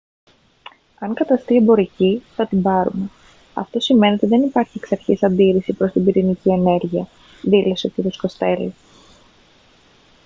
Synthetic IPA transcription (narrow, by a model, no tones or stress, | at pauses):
ɐŋkɐt̪ɐst̪iebo̞ɾiciθɐt̪ibɐɾume̞ | ɐ̰ft̪o̞sime̞net̪iðe̞nipɐɾçieksɐɾçisɐnd̪iɾisipɾo̞st̪ibiɾinicie̞ne̞ɾʝiɐ | ðilo̞seo̞c̪iɾosko̞st̪e̞li